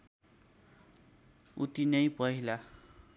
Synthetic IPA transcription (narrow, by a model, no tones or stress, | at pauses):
ut̪inʌjpʌɦila